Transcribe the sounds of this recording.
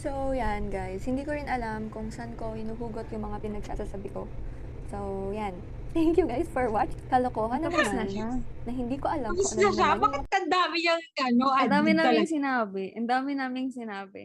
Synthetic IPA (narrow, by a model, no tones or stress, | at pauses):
sowjanɡajshɪnd̪iːkoɾɪnʔɐlamkʊŋsɐʔanko̞hɪnuːɦuːɡot̪jʊŋmɐŋapɪnɐɡ̚sa̰ːsasɐbɪko̞ | sowjan | t̪ɛŋkjuɡajsfoɹwat͡ʃɪkɐlokoːɦɐnːɐpɐɐʃnɐhɪnd̪iːko̞ʔɐlammɐnoɐʃabɐkɪt̪̚kɐnd̪aːmɪjɐŋɡɐnoʔɐnd̪aːmɪnaːmɪŋsɪnaːbɪʔɐnd̪aːmɪnaːmɪŋsɪnaːbɪ̰